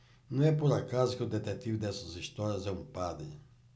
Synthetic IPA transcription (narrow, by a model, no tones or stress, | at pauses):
nɐ̃w̃ɛpoɾakazʊkɪʊd̪et̪et̪ivʊd̪ɛsɐzist̪ɔɾjɐzɛũmpad̪ɾɪ̰